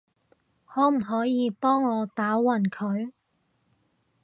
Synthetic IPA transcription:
hɔː˨˥m̩˨˩ɦɔː˨˥jiː˨˧pɔː˥ŋːɔː˨˧t̪aː˨˥wɐ˨˩nkʰɵ˨˧ɥ

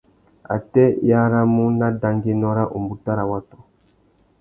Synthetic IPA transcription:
a̰˨tɛ˦ja˦ɾa˦mu˦na˦da˨ŋɡe˦nɔ˦ɾa˦ʔu˨mbu˨ta˦ɾa˨wa˦tɔ̥˦

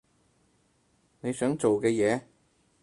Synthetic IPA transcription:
ne˨˧jsœː˨˥ŋt͡ʃo˨wkɛː˧jɛː˨˧

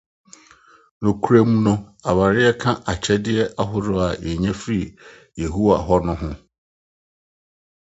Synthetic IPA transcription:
nõ˨kʰu˦ɾe˦mũ˦nʊ̃˦a˨ba˨ɾɪ˦ɛ˦kʰã˦ʔa˨t͡ɕʰɛ˦dɪ˦ɛ˦ʔa˦ɦʊ˦dʊ˦a˨jɛ˨ɲɛ̃˦fɾi˦˨ | je˨ɦu˦a̰˨ɦɔ˦nʊ̃˦ɦʊ̃˦

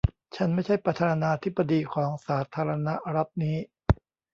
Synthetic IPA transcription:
t͡ɕʰa˦˥nma˥˩jt͡ɕʰa˥˩jpɾa˧t̪ʰaː˧naː˧t̪ʰi˦˥bːa˧diː˧kʰɔː˩˦ŋsaː˩˦t̪ʰaː˧ɾa˧na˦˥ʔɾa˦˥p̪̚niː˦˥

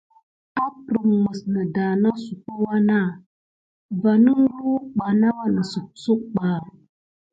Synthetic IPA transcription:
a˦pɾə˨mmə˨snə˨da˨na˦su˨ku˦wa˦na˦˨ | va˨nə˦ŋ˦lu˦ɓa˨na˦wa˦nə˨su˨k̚su˦k̚ɓa˨

